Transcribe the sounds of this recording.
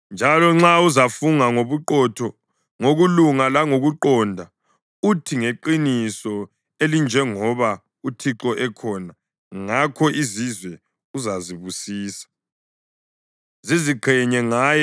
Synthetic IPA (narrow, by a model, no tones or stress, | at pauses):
nd͡ʒʱalɔŋ͡ǁauzafuŋaŋoβuǃɔtʰɔ | ŋoɣuluŋalaŋoɣuǃɔndʱa | utʰiŋeǃinisɔ | elind͡ʒʱɛŋɔβa | utʰiǁɔʔɛkʰɔna | ŋakʰɔʔizizwɛ | uzaziβusiːsḁ | ziziǃʰɛɲɛŋaːj